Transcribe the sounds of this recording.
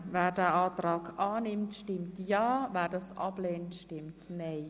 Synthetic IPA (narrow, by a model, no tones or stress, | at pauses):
ʋɛːdaːʔɑːt̪rɑːkʰʔɑːnɪmt̪ʃtɪmtjɑːʋɛːdɑsʔɑ̰pleːntʃtɪmtnej